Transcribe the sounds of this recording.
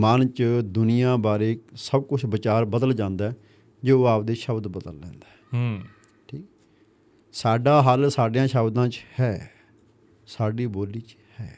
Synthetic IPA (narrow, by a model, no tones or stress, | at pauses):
mənt͡ʃd̪ʊnɪjãːbaːɾeːsəb̚kʊt͡ʃʰbɪt͡ʃaːɾbəd̪əld͡ʒãːnd̪aː | d͡ʒoːaːp̚d̪eːʃəbd̪bəd̪əlːɛ̰̃ːnd̪aː | ʈʰiːkɛ | saːɖaːɦəlsaːɖɪjãːʃəbd̪ãːt͡ʃhɛː | saːɖiːboːliːt͡ʃ | hɛː